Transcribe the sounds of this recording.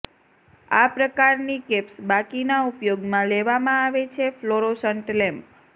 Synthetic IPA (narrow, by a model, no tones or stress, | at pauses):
apɾəkaɾnikepsbakinaupjoɡmãleʋamãaʋet͡ʃʰefloɾosəɳʈlɛ̃mp